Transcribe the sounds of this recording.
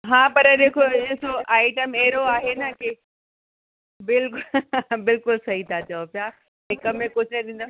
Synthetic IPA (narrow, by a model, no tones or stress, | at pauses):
ɦãːpɐɾɗeːkʰoeːsoʔaːɪʈəmeɦɾoaːɦenɐke | bɪlkʊbɪlkʊlsɐɦit̪ʰat͡ɕɐopjaː | ɦɪ̃kɐmẽkʊt͡ʃʰnɐd̪ĩːn̆d̪o